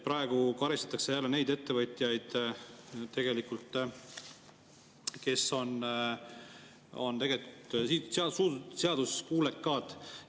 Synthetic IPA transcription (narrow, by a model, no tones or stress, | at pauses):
pɾɑe̞ɡ̥ukɑɾist̪ɑ̥t̪ːˑɑkse̞jælːene̞jd̪e̞t̪ːe̞vɤt̪ʲijɑjd̪̥ | t̪e̞ɡe̞likːult̪ːˑ | ke̞so̞n | o̞̰nt̪e̞ɡe̞likut̪isɑsuːd̪seɑd̪uskuːlekːɑːd̪̥